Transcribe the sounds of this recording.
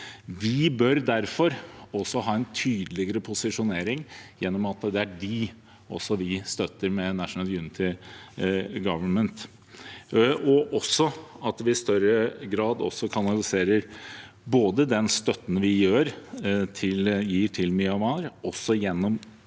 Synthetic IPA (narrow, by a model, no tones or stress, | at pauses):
ʋɪbœɾd̪æɾfɔɾɔsːɔɦɑːɛnt̪ʰyːd̪əlɪɡəɾəpʰʊsɪʂʊneːɾɪŋjɛnːɔmɑt̪d̪ɛæɖɪ | ɔ̰sːɔʋɪst̪œt̪ːəɾmɛnæʂnəlˠjʉnɪt̪ʰɪ | ɡɑʋəɳmənt̪ | ɔʔɔsːɔɑt̪ʋɪɪst̪œɾəɡɾɑːd̪ɔ̰sːɔkʰɑnɑlɪseːɾəɾ | boːd̪əd̪ɛnst̪œt̪ːənʋɪjøːɾt̪ʰɪljiːʈʰɪlmiːɑmɑːɾɔsːɔjɛnːɔm